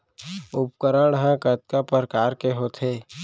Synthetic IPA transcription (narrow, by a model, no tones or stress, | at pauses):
ʊp̚kəɾəɽɦɛ̃kət̪̚kapəɾəkaːɾkeɦot̪ʰeː